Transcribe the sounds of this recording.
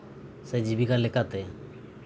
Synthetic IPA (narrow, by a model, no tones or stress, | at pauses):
sɛd͡ʒibikalɛkat̪ɛ